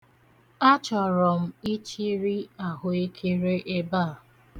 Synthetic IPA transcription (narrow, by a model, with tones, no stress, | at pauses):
a˦t͡ʃɔ˨ɾɔ˨m̩˦i˦t͡ʃi˦ɾi˦a˨ɦʊ˦e˦kʰe˦ɾe˦ʔe˦baː˦˨